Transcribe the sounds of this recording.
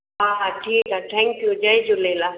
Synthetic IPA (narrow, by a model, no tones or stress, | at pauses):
ɦaːʈʰiːkɦaːʈ̪ʰɛ̃ŋkjud͡ʒaed͡ʒoleːla